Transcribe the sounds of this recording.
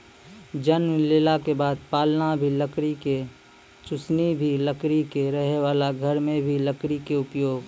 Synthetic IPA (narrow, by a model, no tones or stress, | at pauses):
d͡ʒənmleːlakebaːd̪̚paːlnabʱiləkɾike | t͡ʃʊsnibʱiləkɾikeɾəɦewaːlaɡʱəɾmẽbʱiləkɾikeʊpjoːɡ